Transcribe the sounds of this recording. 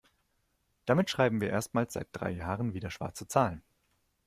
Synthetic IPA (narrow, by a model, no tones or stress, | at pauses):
d̥amɪtʃʁ̥aɪbm̩viːɐʔeːɐstmaːlsz̥a̰ɪt̚d̥ʁa̰ɪjaːʁənviːdɐʃv̥a̰ɐt͡sət͡saːlən